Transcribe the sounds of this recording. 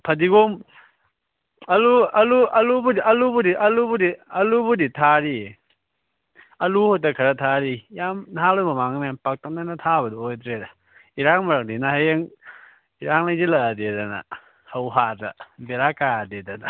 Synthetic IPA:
pʰɐdiɡom | ɐluɐluɐlubudiɐlubudiʔɐlubudiɐlubuditʰaɾi | ɐluhɔt̬akʰɐɾatʰaɾijamnaɦalɔmamaŋnajampak̚tak̚nanatʰabɐdojdɾeda | iɾaŋmaɾak̚dinaheŋ | iɾaŋlajzilɐdedana̰ | hawɦata̰beɾakadedana

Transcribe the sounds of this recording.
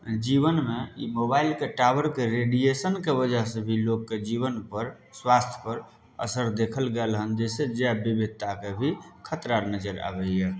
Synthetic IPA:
d͡ʒiβənmeḭmobailkeʈabəɾkeɾeɖijesənkebəd͡ʒaɦsəbʱilokːed͡ʒiβənpəɾ | swast̪ʰjə̥pəɾ | ə̰səɾd̪ekʰəlɡelɦənd͡ʒesed͡ʒeɛbibʱid̪̚t̪akebʱikʰət̪ɾaɾnəd͡ʒəɾa̰bɛe

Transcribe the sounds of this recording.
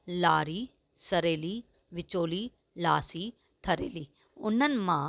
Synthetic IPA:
laːɾiː | səɾeːliː | ʋɪt͡ʃoːliː | laːsiː | t̪ʰəɾḛːliː | ʊnːənmãː

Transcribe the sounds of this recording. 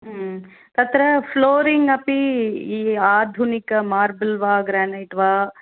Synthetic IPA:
ɦ | t̪ɐt̪ɾɐpʰloːɾiŋɡɐpiː | aːd̪ʱunikɐmaːɾbɐlʋaːɡɾaːnɐʈʋaː

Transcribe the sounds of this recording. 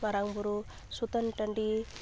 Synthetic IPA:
mɐɾaŋbuɾu | sut̪ɐnʈɐɳɖi

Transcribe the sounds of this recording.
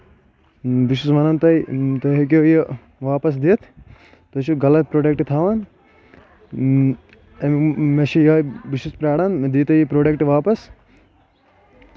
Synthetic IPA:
biʃusmɐnɐnt̪ɐjt̪oɦekoji | ʋaːpɐs̬d̪it̪ʰ | t̪ot͡ʃʰuɡɐlɐt̪̚pɾoːɖek̚ʈt̪ʰaːʋaːn | emmeʃʰijoːbiʃuspɾaːɽaːnd̪iːt̪ɐjipɾoːɖekʈʋaːpɐs

